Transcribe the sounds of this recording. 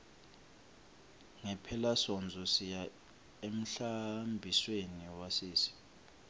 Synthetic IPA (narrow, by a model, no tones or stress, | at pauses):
ŋɛpʰɛlasɔnd͡zʱɔsija | em̩ɬambʱisweniwasiːsi̥